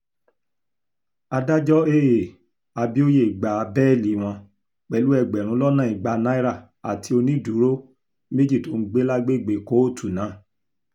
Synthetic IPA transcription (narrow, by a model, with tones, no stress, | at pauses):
a˧da˦d͡ʒɔ˦e˦je˨ | a˧bi˦o˦je˦˨ɡ͡ba˨˧˦bɛ˦˨li˨˦w̃ɔ̃˧ | k͡pɛ˦˨lu˦ɛ˧˨ɡ͡bɛ˨ɾ̃ũ˨˦lɔ˦nã˦˨i˨ɡ͡ba˧nã˦i˦ɾa˦˨ | a̰˨tʰi˧˦o˧nĩ˦du˨˦ɾo˦ | me˦d͡ʒi˦˨to˨n̩˦ɡ͡be˦la˦ɡ͡be˦˨ɡ͡be˨ko˨˦˨tu˨nã˨˦˨